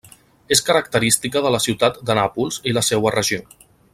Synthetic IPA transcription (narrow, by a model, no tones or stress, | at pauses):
eskəɾək̚t̪əɾist̪ikəðələsiwt̪at̪d̪ənapulˠziləsewərəʒio